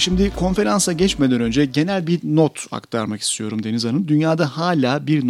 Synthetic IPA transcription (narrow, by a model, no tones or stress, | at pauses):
ʃimd̪ɪkʰo̞nfe̞ɾansaɟɛt͡ʃmed̪ænø̞nd͡ʒɛɟe̞nælʲbiɾnot̪ʰa̰kt̪ʰa̰ɾmaki̥st̪ʰijo̞ɾumd̪e̞nizanɯnd̪ynjaːd̪ahaːlʲaːbiɾn